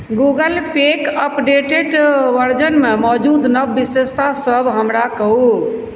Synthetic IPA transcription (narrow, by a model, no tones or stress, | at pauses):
ɡuɡəlpekəpɖeʈeɖʋəɾd͡ʒənmemɔd͡ʒud̪nəbːisest̪asəbʱɦəmɾakəɦu